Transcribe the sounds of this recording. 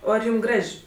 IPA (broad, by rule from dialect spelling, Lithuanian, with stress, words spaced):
ˈoː ɐr ˈjuːm ˈɡrɐʃʲ